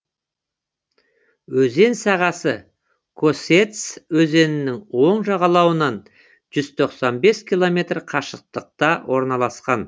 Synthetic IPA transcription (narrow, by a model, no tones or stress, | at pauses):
wɵze̞nsɑʁɑsə | kʰo̞se̞t̪swɵze̞nɪnɪŋwo̞ɴʒɑʁɑlˠɑwənɑn | ʒ̥ʏz̥t̪ʰo̞qsɑnbe̞skʲʰilˠo̞me̞t̪rqʰɑʃəq̚t̪əq̚t̪ɑwʔo̞ɾnɑlˠɑsqɑn